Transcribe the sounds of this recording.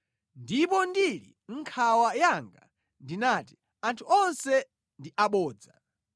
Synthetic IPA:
ndipɔndilḭ | ŋ̩kʰawajaŋɡa̰ | ndinati̥ | antʰuɔnsɛ | ndiʔaɓɔːd͡za

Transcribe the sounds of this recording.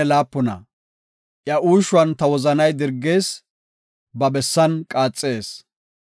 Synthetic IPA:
ɛlaːpːʊnɐ̰ | ʔjɐʔuːʃʊɐnt̪ɐwɔzɐnɐjd̪ɪɾɡːe̞ːs | bɐbɛsːɐnkʼaːt͡sʼːe̞ːs

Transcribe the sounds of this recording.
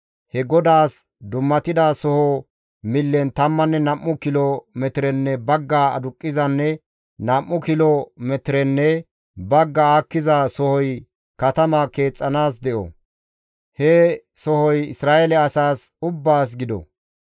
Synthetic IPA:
hɛɡɔd̪aːs | d̪ʊmːɐt̪ɪd̪asɔhɔ | mɪlːɛnt̪ɐmːɐnːɛnɐmːʊkɪlɔmɛt̪ɪɾɛnːɛbɐɡːaːɐ̰d̪ʊkʼːɪzɐnːɛ | nɐmːʊkɪlɔmɛt̪ɪɾɛnːɛ | bɐɡːɐaːkːɪzasɔhɔj | kɐt̪ɐmɐke̞ːt͡sʼːɐnaːs̬d̪ɛʔɔ̰ | hɛsɔhɔjɪ̰sɾaːʔɛlɛɐsaːsʊbːaːs̬ɡɪd̪ɔ̰

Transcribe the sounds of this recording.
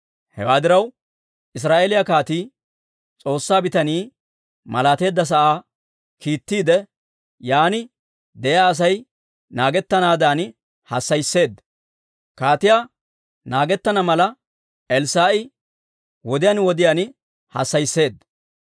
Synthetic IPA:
hɛ̰waːd̪ɪɾɐw | ʔɪs̬ɾaːʔeːlɪjakaːt̪iː | t͡sʼo̞ːsːaːbɪt̪ɐniː | mɐlaːt̪e̞ːd̪ːɐs̬ɐʔaː | kiːt̪ːiːd̪ɛ | jaːnɪ | d̪ɛjaːɐs̬ɐj | naːɡɛt̪ːɐnaːd̪aːn | hɐ̰sːɐjsːe̞ːd̪ | kaːt̪ɪjaː | naːɡɛt̪ːɐnɐmɐlɐ | ʔɛlsaːʔɪ | wɔd̪ɪjaːnwɔd̪ɪjaːn | hɐ̰sːɐjsːe̞ːd̪

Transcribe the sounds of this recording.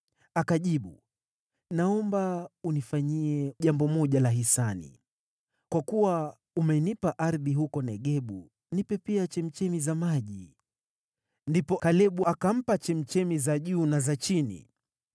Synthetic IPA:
akaʄiɓṵ | naɔmbaunifaɲiɛʄambɔmɔʄalaɦisanḭ | kwakuwa | umɛinipaʔaɾðiɦukɔnɛɠɛɓu | nipɛpiat͡ʃɛm̩t͡ʃɛmizamaʄi | ndipɔkalɛɓuakam̩pat͡ʃɛm̩t͡ʃɛmizaʄuːnazat͡ʃinḭ

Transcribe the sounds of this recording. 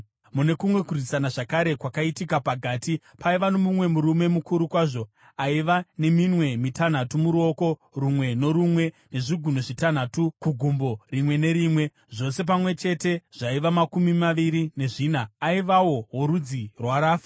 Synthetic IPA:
mune̞kumwe̞kurisanaʐakaɾe̞kwakaitikapaɡʱaːti | paiʋanomumwe̞muɾume̞mukuɾukwaːʐo̞ | aiʋane̞mimwe̞mitan̤atumuɾuo̞ko̞ | rumwe̞no̞ɾumwe̞ | ne̞ʐiɡʱun̤oʐitan̤atukuɡʱumbo̞rimwe̞ne̞ɾimwe̞ | ʐo̞se̞p̬amwe̞t͡ʃe̞te̞ʐ̥aiʋamakumimaʋiɾine̞ʐiːnaːiʋawo̞ɦoɾud͡zirwaɾaːfḁ

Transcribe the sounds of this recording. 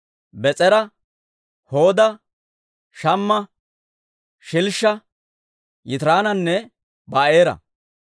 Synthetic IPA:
bɛt͡sʼɛɾɐ | ho̞ːd̪ɐ | ʃɐmːɐ | ʃɪlʃːɐ | jɪt̪ɾaːnɐnːɛ | bɐeːɾɐ̰

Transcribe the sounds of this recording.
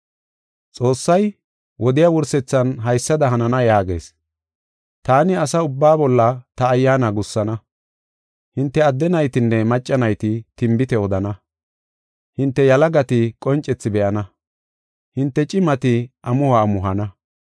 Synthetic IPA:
t͡sʼo̞ːsːɐj | wɔd̪ɪjawʊɾsɛt͡sːɐnɦɐjsːɐd̪ɐɦɐnɐnɐjaːɡḛːs | t̪aːnɪɐsɐʊbːaːbɔlːɐt̪ɐːjːaːnɐɡʊsːɐnɐ | hɪnt̪ːɛɐd̪ːɛnɐjt̪ɪnːɛmɐt͡ʃʼːɐnɐjt̪ɪt̪ɪmbɪt̪ɛɔd̪ɐnɐ | hɪnt̪ːɛjɐlɐɡɐt̪ɪkʼɔnt͡ʃʼːɛt͡sːɪbɛʔɐnɐ | hɪnt̪ːɛt͡ʃʼɪmɐt̪ɪʔɐmʊhɐːmʊɦɐnɐ

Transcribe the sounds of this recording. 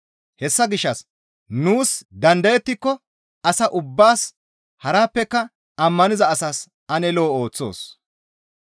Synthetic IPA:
hɛsːɐɡɪʃːɐs | nuːsd̪ɐnd̪ɐjɛt̪ːɪkːɔ | ɐsɐʔʊbːaːs | hɐɾaːpːɛkːɐ | ɐmːɐnɪzɐːsas | ɐnɛlo̞ːo̞ːt͡sːo̞̰ːs

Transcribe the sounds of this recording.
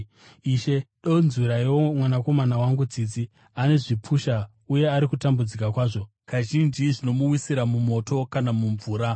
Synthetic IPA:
iːʃe̞ɗonziɾaiwomwanako̞manawaŋɡud͡zid͡zi | ane̞ʐipʰuʃa | uje̞aɾikutambud͡zik̬akwaːʐo̞ | kaʒind͡ʒiʐino̞muwisiɾamumo̞to̞kanamuɱvuːɾa

